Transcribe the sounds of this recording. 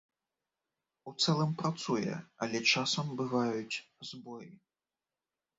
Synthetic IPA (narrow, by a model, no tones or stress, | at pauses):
ut̪sɛlˠɐmpɾat̪sujɛ̰ɐ̰lʲɛt͡ʂasɐmbɨvajut͡sʲzbɔji